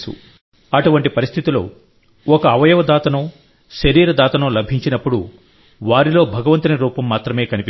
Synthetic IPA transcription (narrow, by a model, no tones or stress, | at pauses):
sṵ | ɐʈuʋɐɳʈipɐɾist̪ʰit̪ilo̰ː | ɔkɐːʋɐjɐʋɐd̪aːt̪ɐnoː | ʃɐɾiːɾɐd̪aːt̪ɐnɐːlɐbʱiɲt͡ʃinɐpːuɽu | ʋaːɾilo̞ːbʱɐɡɐʋɐnt̪ɐnɐɾuːpɐmːaːt̪ɾɐme̞ːkɐnipi